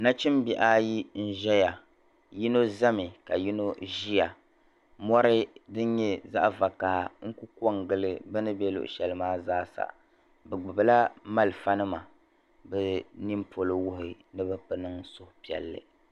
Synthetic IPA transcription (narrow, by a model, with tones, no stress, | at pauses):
na˦t͡ʃi˦mbi˦ʔa˦ji˦n̩˦ʒɛ˦ja˨ | ji˦no˦za˦mi˨ka˨ji˦no˦ʒi˦ja˨ | mɔ˦ɾɨ˦dɨ˦n˦ɲɛ˦za̰˦ʔva˨kaː˨ŋ̩˦ku˦ko˦ŋɡɨ˦lɨ˦bɨ˦nɨ˦bɛ˦lʊ̰˨ʔʊ̰˨ʃɛ˨lɨ˦maː˦zaː˦sa̰˨ | bɛ˨ɡ͡bɨ˨bɨ˨la˦ma˦lɨ˨fa˦nɨ˦ma˨ | bɨ˦ni˦mpʰo˨lɨ˦wʊ˦ɦɪ˨ | nɨ˦bɨ˦pɨ˦nɨ˦ŋsʊ˦hʊ˨pi˨ɛ̰˨lːɨ̰˨